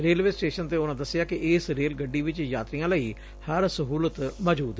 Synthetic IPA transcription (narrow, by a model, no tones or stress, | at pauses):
ɾeːlʋeːsʈeːʃənt̪eːʊnãːd̪əsːɪjaːkɪʔɪːsɾeːlɡəɖːiːʋɪt͡ʃjaːt̪ɾijãːləiː | həɾsəɦuːlət̪məːd͡ʒuːd̪